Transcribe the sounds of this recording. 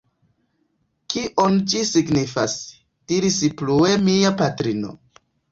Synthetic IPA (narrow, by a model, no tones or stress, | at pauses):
kiʔont͡ʃisiɡnifas | d̥iɾisiplue̞miapatɾino̞̰